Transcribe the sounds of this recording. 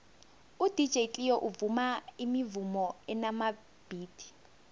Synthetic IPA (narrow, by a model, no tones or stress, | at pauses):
ud̥ʱid̥d͡ʒ̥ʱeitʼijɔʔuvumaimivumɔɛnama | b̥ʱiːd̥ʱi̥